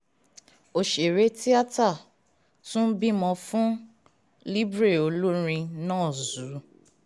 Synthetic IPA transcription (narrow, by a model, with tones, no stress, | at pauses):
o˨ʃe˨ɾe˨˦ti˦a˦ta˦˨ | tũ˦n̩˦bĩ˦mɔ̃˧fũ˦ | li˦bɾe˦˨o˨˦lo˦ɾ̃ĩ˧nɔ̃ː˦˨zu˨˦